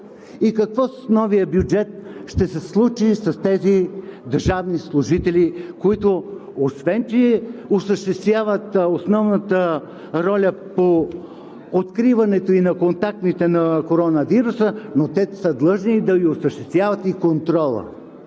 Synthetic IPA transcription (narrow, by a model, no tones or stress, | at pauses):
ikɐkvɔsnɔvijəbjud͡ʒɛt̪̚ʃt̪ɛsɛslˠut͡ʃisɐst̪ɛzid̪əɾʒavnislˠuʒit̪ɛlʲikoit̪oosvɛnt͡ʃiɛosəʃt̪ɛst̪vʲjavət̪osnɔvnət̪ə | ɾɔlʲəpo | ot̪kɾivɐnɛt̪oinɐkont̪ak̚t̪nit̪ɛnɐkoɾɔnəviɾusənot̪ɛsəd̪lˠɤʒnid̪ɐviosəʃt̪ɛst̪vʲjavət̪ikont̪ɾɔlˠə̰